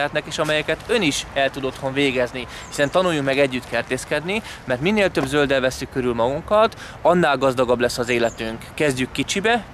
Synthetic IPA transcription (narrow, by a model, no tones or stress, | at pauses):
ɛt̪nɛkeːʃɒmɛjɛkɛt̪ø̞niʃɛlt̪ud̪o̞t̪ho̞ɱveːɡɛzni | hisɛnt̪ɒnujːukmɛɡɛɟːyt̪kɛrt̪eːskɛd̪ni | mɛrt̪minːeːlt̪ø̞bzøld̪ɛlvɛsːykːøɾylmɒɡuŋkɒt̪ | ɒnːaːlɡɒzd̪ɒɡɒblɛsːɒzeːlɛt̪yŋkːɛzɟykːit͡ʃibɛ